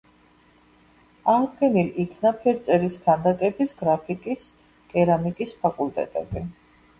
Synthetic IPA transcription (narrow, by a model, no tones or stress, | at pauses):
aʁd̪ɡɛnilikʰnapʰɛɾt̪sʼɛɾiskʰand̪akʼɛbisɡɾapʰikʼis | kʼɛɾamikʼispʰakʼult̪ʼɛ̰t̪ʼɛ̰bi